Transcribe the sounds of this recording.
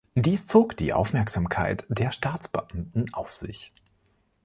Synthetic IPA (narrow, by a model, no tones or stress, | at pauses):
d̥iːst͡soːkd̥ḭːʔa̰ʊfmɛɐkz̥aːmkʰa̰ɪtd̥eːɐʃtaːt͡sb̥əʔamtn̩ʔaʊfz̥ɪ̰ç